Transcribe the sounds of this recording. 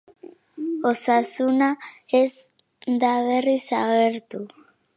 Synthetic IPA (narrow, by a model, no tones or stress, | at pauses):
o̞sasunaez | d̪aβerisaɣe̞ɾt̪u